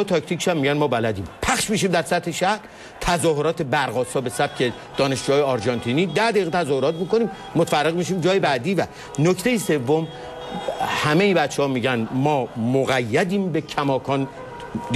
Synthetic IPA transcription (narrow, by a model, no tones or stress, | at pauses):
t̪ʰɒct̪iːcʃæmːiɟænmɒːbælæd̪iːmpʰæχʃmiːʃ̬iːmd̪æɾsæt̪heʃæhɾ | t̪ʰæzɒːhoɾɒːt̪ʰe̞bæɾɣɒːsɒːbe̞sæb̥̚cʰe | d̪̥ɒːne̞ʃd͡ʒuːɒːjeɒɾd͡ʒɒnt̪ʰiːniːd̪æhd̪æiɣet̪ʰæzɒːhoɾɒːt̪miːko̞niːmːot̪færːeɣmiʃ̬iːmd͡ʒɒːjebæd̪iːvæ | nocʰt̪ʰe̞jise̞vːo̞m | hæmejibæt̪t͡ʃʰːehɒːmiːɟænmɒːmoɣæjːæd̪iːmbe̞cʰæmɒːkʰɒːn